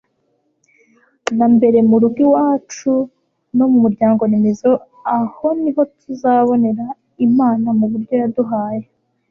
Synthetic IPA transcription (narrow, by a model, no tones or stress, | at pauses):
nambe̞ɾe̞muɾuɡiwaːt͡ʃu | no̞mumuɾɟaːŋɡo̞nemezo̞ | aho̞niɦo̞tʰuzaβo̞ne̞ɾa | imaːnamuβuɾɟo̞jaduɦaːje